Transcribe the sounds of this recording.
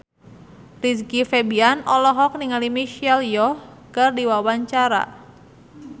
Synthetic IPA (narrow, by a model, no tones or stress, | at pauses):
riskifɛbianɔlɔɦɔk̚niŋalimiʃialjɔhkərdiwawaɲt͡ʃaɾa̰